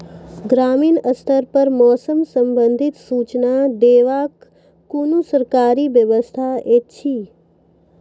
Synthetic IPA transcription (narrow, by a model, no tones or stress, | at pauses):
ɡɾaːmiːnəst̪ʰəɾpəɾmɔːsəmsə̃mbə̃nd̪ʱɪt̪suːt͡ʃnad̪eːʋaːkː | unusəɾkaːɾiʋjəʋəst̪ʰaeːt͡ʃʰiː